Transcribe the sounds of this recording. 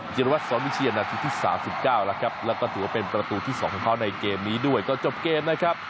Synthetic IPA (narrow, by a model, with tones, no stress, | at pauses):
t͡ɕi˧ɾwa˦˥sɔː˨˦˥nwi˦˥t͡ɕʰiː˧ʔa˧naː˧t͡ɕʰt̪ʰːiː˥˩sa̰ː˩˦msi˨˩p̚kaː˥˩wla˦˥kʰɾa˦˥p̚lɛː˦˥wkɔː˥˩t̪ʰɯː˩˦wa˥˩pe˧npɾa˧t̪uː˧t̪ʰiː˥˩ɔː˩˦ŋʰkɔː˨˩˦ŋkʰa˦˥wna˧jkeː˧mniː˦˥du˥˩əjkɔː˥˩t͡ɕo˨˩p̚keː˧mna˦˥kʰɾa˦˥p̚